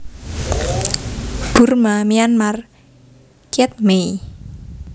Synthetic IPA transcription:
b̥ʊrmamianmar | kiɛt̪̚me

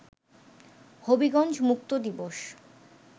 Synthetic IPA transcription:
hobiɡɔnd͡ʑmuk̚t̪od̪iboʃ

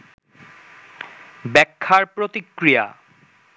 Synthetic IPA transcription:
bɛkʰːaɾpɾot̪ikːɾija̰

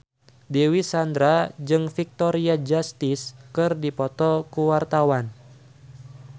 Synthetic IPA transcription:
dewisand̪ɾad͡ʒɨŋfik̚t̪ɔɾiad͡ʒast̪ɪskɨrdipɔt̪ɔkuwart̪awan

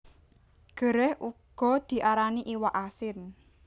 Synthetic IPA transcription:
ɡ̥ə̤ɾɛhʔuɡ̥ɔ̤d̪̥i̤ʔaɾaniʔiwaʔasɪn

